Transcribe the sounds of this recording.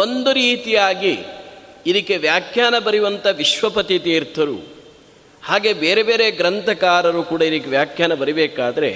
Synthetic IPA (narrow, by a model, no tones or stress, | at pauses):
o̞nd̪uɾiːt̪ijaːɡiː | d̪ikːe̞ʋjaːkʰjaːnɐbɐɾiʋɐnt̪ɐʋiʃʋɐpɐt̪it̪iːɾt̪ʰɐɾṵ | haːɡebeːɾe̞be̞ːɾeɡɾɐnt̪ɐkaːɾɐɾuːkuːɽɐid̪ikːeʋjaːkʰjaːnɐbɐɾibɛːkaːd̪ɐɾe̞̰